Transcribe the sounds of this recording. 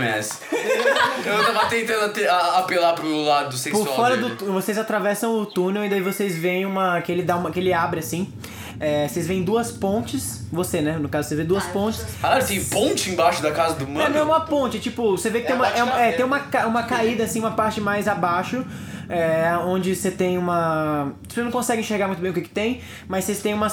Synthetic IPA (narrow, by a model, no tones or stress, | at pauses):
mɛ̰s | ewt̪avɐt̪ẽnt̪ɐ̃d̪ʊɐt̪eaːpelapɾʊlad̪ʊsekpsʊafɔɾɐd̪ʊt̪uvosezat̪ɾavɛsɐ̃w̃ʊt̪unewĩd̪aivosezvẽj̃ũmɐkɪelɪd̪aũmɐkɪelɪabɾɪasĩ | ɛosezvẽj̃d̪uɐspõnt͡ʃɪs | vosenɛnʊkazʊsevẽd̪uɐspõnt͡ʃɪ̥saat̪ẽj̃põt͡ʃɪẽbaʃʊd̪ɐkazɐd̪ʊmɐ̃ɐ̃ɛũmɐpõnt͡ʃɪt͡ʃipʊsevekɪt̪ẽumɐɛumɛt̪ẽj̃ũmɐkaũmɐkaid̪ɐasĩũmɐpaɾt͡ʃɪmajzabaʃʊ | ɛõnd͡ʒɪset̪ẽj̃ũmɐ̥i̥posenɐ̃kõsɛɡɪ̃ĩʃeɾɡaɾmũt̪ʊbẽʊkɪkɪ̥t̪ẽj̃ | mɐssest̪ẽj̃ũmɐ